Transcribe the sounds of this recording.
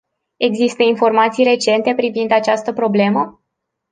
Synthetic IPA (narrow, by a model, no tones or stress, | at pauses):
e̞ɡzist̪əinfo̞rmat̪sijre̞t͡ʃe̞nt̪e̞pɾivind̪at͡ʃast̪əpɾo̞ble̞mə